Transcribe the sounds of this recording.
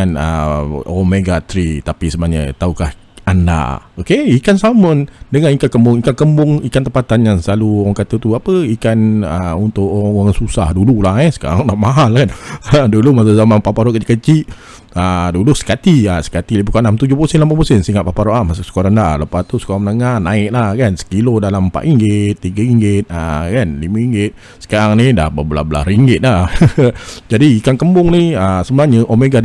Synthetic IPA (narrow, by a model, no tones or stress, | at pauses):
anə̰omeɡat̪ɾit̪apisəmaɲə̰t̪aukah | anda̰okeikansaməndəŋanikakəmbʊŋikakəmbʊŋikant̪əmpat̪anjaŋslaluoɣaŋkat̪ət̪uapəikanəunt̪ʊʔoɾaŋaŋnsusahdululahɛsə̥ka̰ɾaŋlaʔmaɦalkandulumas̬azamanpapaɾoʔkad͡ʒikət͡ʃiʔ | ədulusə̥kat̪iasə̥kat̪ilibukanamt̪ud͡ʒʊhpəsɛnlampapəsɛnsiŋaʔ̪papaɾoʔamasasə̥koɾandaləpast̪usə̥koɾamənəŋahnaɪʔlahkansə̥kilodalaməmpa̰ʔ̪iŋɡɪt̪ːiɡaiŋɡɪt̪̚əkanlimaiŋɡɪt̪̚ | sə̥kaɾaŋnida̰hbəbəla̰hbəla̰hɾiŋɡɪt̪̚lah | d͡ʒadiikaŋkəmbʊŋniəsəbənaɲəʔomeɡa